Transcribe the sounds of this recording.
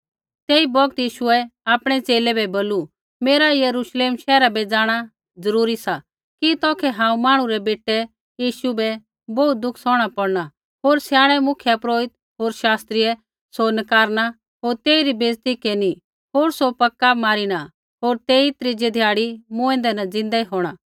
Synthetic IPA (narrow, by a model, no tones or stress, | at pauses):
t̪eːibɔɡ̚t̪iːʃʊɛaːpɽ̃ɛt͡seːlɛbɛboːlu | meːɾajɐɾuʃleːmʃɛːɾabɛd͡zaːɽ̃a | d͡zɐɾuːɾisa | kit̪ɔːkʰɛɦãːũmaːɽ̃ũɾɛbeːʈːɛ | jiːʃubɛ | bɔːut̪̚d̪ʊkʰsɔ̃ːɽ̃apɐɽna | ɦoːɾsjaːɽ̃ɛmʊkʰjapɾoːɪt̪̚ | ɦoːɾʃaːst̪ɾiɛ | sonɐkaːɾna | ɦoːɾt̪eːiɾibʱeːzt̪ikeːni | ɦoːɾsopɐkːamaːɾiña | ɦoːɾt̪eːit̪ɾid͡ʒed̪ʱjaːɽimʊ̃ɛ̃ːnd̪ɛnad͡zɪ̃nd̪aiɦoːɽ̃aː